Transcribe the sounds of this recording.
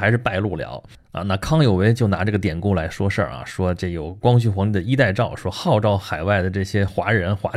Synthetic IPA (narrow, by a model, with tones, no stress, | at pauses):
ɪʂ̬ɻ̩˧˥˧pa˥˧ɪlu˥˩ljɑ̰˧˥ʊ | a̰˧na˥˧kʰɑ˥ŋjo˨˩ʊwe˧˥ɪt͡ɕjo˥˩ʊna˧˥ʈ͡ʂɤ˥˩ɡə˩t̪jɛ˨˩nku˥˩la˧˥ɪʂwɔ˥ʂə̰˞˥˩ɐ̰˩ʂwɔ˥ʈ͡ʂjo˨˩ʊkwɑ˥ŋɕ̬y˥˩xwɑ˧˥ŋni˧˩d̪ə˩i˥t̪a˥˧ɪʈ͡ʂɑ˥˩ʊʂwɔ˥xɑ˥˧ʊʈ͡ʂɑ˥˩ʊxa˨˩ɪwa˥˩ɪd̪ə˩ʈ͡ʂɤ˥˩ɕjɛ˥xwa˧˥ɻə˧˥nxwa̰˧˥